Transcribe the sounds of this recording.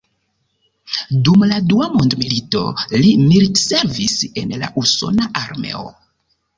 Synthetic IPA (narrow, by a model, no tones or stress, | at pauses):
dumladuamondmilito̞̰limiɾse̞ɾvise̞̰nla̰ʔuso̞̰naʔaɾme̞̰o̰